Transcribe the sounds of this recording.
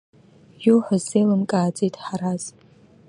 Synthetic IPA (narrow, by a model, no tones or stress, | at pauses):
juħʷazːejlɨmkʼaːd͡zʼitʼħaɾaz̥